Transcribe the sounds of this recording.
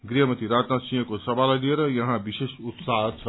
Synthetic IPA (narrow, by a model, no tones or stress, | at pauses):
ɡɾiɦʌmʌt̪iɾat̪nasĩjʌ̃kosʌbʱalajlieɾʌjʌɦãbisesut̪saɦʌt͡sʰʌ